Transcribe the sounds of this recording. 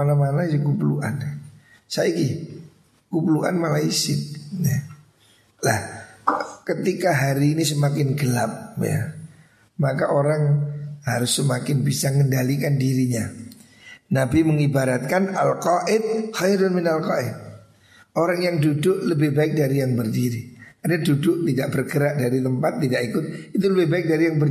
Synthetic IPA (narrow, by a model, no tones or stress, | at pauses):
anamanaukupluʔa̰n | saiɡi | kupluʔa̰nmalaisɪt̪̚ja | lah | kət̪ikaɦaɾiːnis̬əmakɪnɡəlap̚ja̰ | makaʔoɾaŋhaɾʊsːəmakɪnbisaŋəndalikandiɾiɲa | nabiməŋibaɾat̪̚kanalqaʔɪd̪̚xajɾʊnmɪnalqaʔɪd̪̚ | oɾaŋjaŋdudʊʔləbɪhbaɪk̚daɾijaŋbərdiɾikarɲadudʊʔt̪idaʔbərɡəɾaʔdaɾit̪əmpat̪ːidakikʊt̪̚it̪uləbɪhbaɪk̚daɾijaŋbər